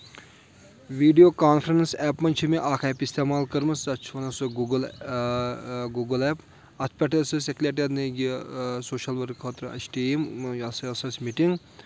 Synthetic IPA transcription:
ʋiːɖijoːkaːnfʰɾɐnsɛːpmɐnʲt͡ʃʰimiʔaːkʰɛːpist̪eːmaːlkɐɾmɐsd̪ɐt͡ʃʰonɐsɨɡuːɡl | ɡuːɡɐlɛːp | ɐt̪ʰpʲɐʈʰɐsɨseklʲeːʈ̬ʲɐd̪niɡisoːʃɐlʋɐɾkʰɐt̪ɾɨɐ̰t͡ʃʈiːmɐsɐɐsɐsʲmiʈiŋɡ

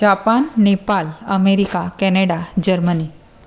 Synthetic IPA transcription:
d͡ʑapanːepaləmeɾikakɛneɽad͡ʑəɾməni

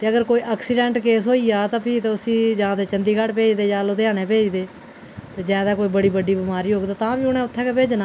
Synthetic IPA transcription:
t̪eːəɡəɾkoːiːʔaːksiːɖɛ̃ːɳʈkeːsɦoːiːaːt̪ãːpʰiːt̪eʊsĩːd͡ʒãːt̪eːt͡ʃənd̪iːkəɽpeːd͡ʒd̪eːd͡ʒãːloːd̪eaːnẽːpeːd͡ʒd̪eː | t̪eːd͡ʒaːd̪aːkoːiːbəɽiːbəɖiːbɪmaːɾiːɦoːɡd̪aːt̪ãːbiːʊnɛ̃ːʊt̪ʰːɛ̃ːkeːpeːd͡ʒnaː

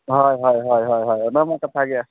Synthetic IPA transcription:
ɦɔjɦɔjɦɔjɦɔjɦɔjɔnamakat̪ʰaɡia

